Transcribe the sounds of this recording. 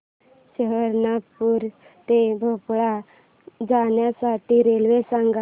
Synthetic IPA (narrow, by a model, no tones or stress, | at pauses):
ɕəɦəɾnapuɾ | t̪ebʱopɭa | d͡zanjasaʈiɾelʋesãŋɡa